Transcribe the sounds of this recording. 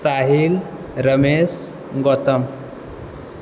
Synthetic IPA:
saɦil | ɾəmes | ɡɔt̪əm

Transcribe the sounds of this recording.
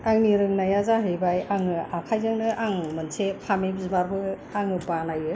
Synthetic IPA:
aŋniɾɯŋnajazaɦɯjbajaŋɯakʰajzɯŋnɯʔaŋmɯnsepʰamebizmaɾbʰɯ | aŋɯbanajɯ

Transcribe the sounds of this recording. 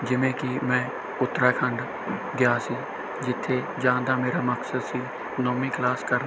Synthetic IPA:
d͡ʒɪʋẽːkɪmɛ̃ː | ʊt̪ːɾaːkʰəɳɖ | ɡɪjaːsiː | d͡ʒɪt̪ʰːeː | d͡ʒãːnd̪aːmeːɾaːməksəd̪siː | nɔːmĩːklaːskəɾn

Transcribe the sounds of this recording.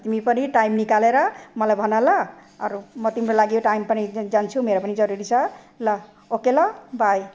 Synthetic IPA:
t̪imipʌniʈajmnikaleɾʌmʌlajbʱʌnʌlʌʌ̰ɾumʌt̪imɾolaɡijoʈajmpʌnid͡zant͡sʰumeɾopʌnid͡zʌɾuɾit͡sʰʌ | lʌ | okelʌbʱaj

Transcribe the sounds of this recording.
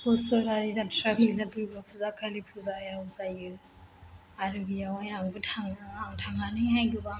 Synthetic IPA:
pɔsɔɾaɾizatʰɾablinat̪uɾbapʰuzakʰalipʰuzajazajɯ | aɾɯbijawajabɯtʰaŋaatʰaŋanɯɦajɡɯba

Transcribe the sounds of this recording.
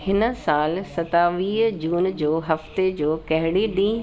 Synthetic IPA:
hɪnə̆saːlsɐt̪aʋiːɦd͡ʑuːnd͡ʑoːɦɐft̪ed͡ʑoːkɐɦɪɽeɗĩː

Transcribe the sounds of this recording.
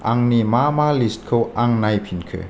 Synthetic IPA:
aŋnimamalist̚kʰɯwaŋnajpʰinkʰɯ̰

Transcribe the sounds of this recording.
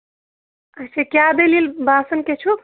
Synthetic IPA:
ət͡ʃʰekjad̪elilbasənket͡ʃʰu

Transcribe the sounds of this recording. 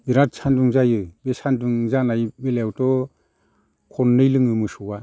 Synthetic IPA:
iɾatsanduŋzajɯbesanduŋzanajbelewtɔ | kʰɔnːɯjlɯŋɯmɯsuwa

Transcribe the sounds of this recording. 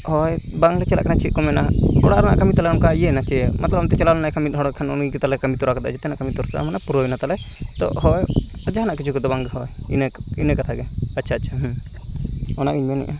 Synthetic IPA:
hɔj | baŋkɛt͡ʃɛla̰kʰnat͡ʃʰiʔ̪̚kɔmɛnaɔɽaɾana̰ʔkəmit̪alɛnkaiɛnat͡ʃɛmɐt̪ləbɔnt̪ɛt͡ʃɛlalɛnajkamiɦɔɽakʰanɔnikɛt̪alɛkəmit̪uɾakad̪a̰t͡ʃʰɛt̪ɛnaʔkəmit̪ɔɾt̪a̰mɛnapuɾojnat̪alɛ | t̪ɔ̰hɔj | d͡ʒaɦanaʔkit͡ʃʰukɛd̪ɔbaŋɡɦɔj | in | inɛkat̪ʰaɡɛəːt͡ʃʰat͡ʃʰaɦ | ɔnaʔiɲanɛ̰ʔɛ

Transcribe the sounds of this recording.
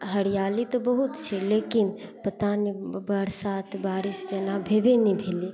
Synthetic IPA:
ɦəɽijaːlit̪obəɦʊt̪t͡ʃʰeleːkɪnpət̪anibəɽsaːt̪ʰbaːɾɪsd͡ʒɐnabʱeːbenibʱeːle

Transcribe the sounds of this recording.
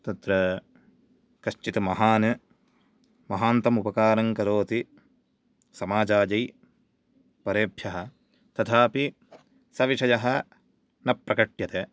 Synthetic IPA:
t̪ɐt̪ɾɐ | kɐʃt͡ʃit̪ɐmɐɦaːnɐ | mɐɦaːnt̪ɐmupɐkaːɾɐŋkɐɾoːt̪i | sɐmaːd͡ʒaːd͡ʒɐj | pɐɾeːbʱjɐɦɐ̆ | t̪ɐt̪ʰaːpi | sɐʋiʂɐjɐɦɐ | nɐpɾɐkɐʈjɐt̪eː

